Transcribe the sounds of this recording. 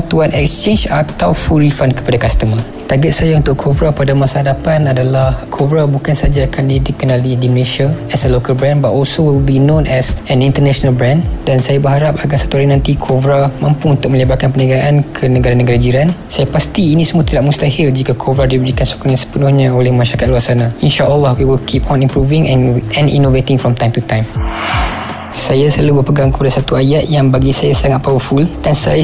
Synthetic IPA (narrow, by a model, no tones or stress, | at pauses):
t̪uanʔɛkst͡ʃend͡ʒat̪awfuɾifankə̥padakast̪əma | t̪aɡəʔ̪̚sajaunt̪ʊʔkʰovɾapadamasaɦadapanadalahkʰovɾabukansad͡ʒaːkʰandidɪk̚kːənãlidiməleʃiaɛsəlokalbɾɛ̃nbatɔlsowilbinõnʔɛsɛnĩnt̪ənaʃonalbɾãndansajabəɦaɾap̚aɡasḁt̪uaɾinãnt̪ikʰovɾamãmpuunt̪ʊk̚mə̃ɲəbarkanpənaɡaʔankʰənə̃ɡaɾanəɡaɾad͡ʒiɾansajapast̪iːnĩsəmũat̪idaʔmũst̪ahɪld͡ʒikakʰovɾadibəɾikanso̥kaŋjãŋsə̥pənʊhɲãolɛhmãʃaɾakat̪̚luarsanãinʃaʔəlːɔhwiwilkʰipɔ̃nĩmpɾuvɪ̃ŋɛɛ̃nḭnovet̪ɪŋfɾɔ̃mt̪ãjmt̪ut̪ãjm | sajaslaluhbəpəɡaŋkə̥padasat̪uajaʔ̪̚jaŋbaɡisajasaŋat̪̚paufuld̥ansaja